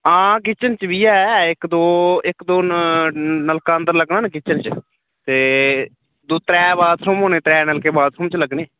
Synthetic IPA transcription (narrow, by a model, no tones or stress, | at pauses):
ãːk̬ɪt͡ʃənt͡ʃbiːaːɪkd̪oːɪkd̪oː | nəlkaːənd̪əɾləɡnaːnk̬ɪt͡ʃənt͡ʃ | t̪eː | d̪oːt̪ɾɛːbaːd̪sʰʊmɦoːneːt̪ɾɛːnəlkeːbaːd̪sʰʊmt͡ʃləɡneː